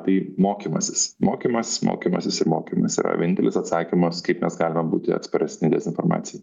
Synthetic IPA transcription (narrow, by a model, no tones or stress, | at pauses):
t̪ɐɪmoːkʲiːmɐsʲɪ̥smoːkʲimɐsmʔo̰ːkʲiːmɐsʲɪsɪɾmoːkʲiːmɐsḭːɾɐ̰ʋ̰ʲnʲɪnt̪ʲɛlʲɪ̰sɐt̪sɑːkʲimɐskɐɪpmʲɛsɡɑːlʲɪmɐbuːt̪ʲɪɐ̰t̪spɐɾʲɛsʲnʲɪd̪ʲɛzʲɪnfoɾmɑ̰ːt̪sʲɪjɛɪ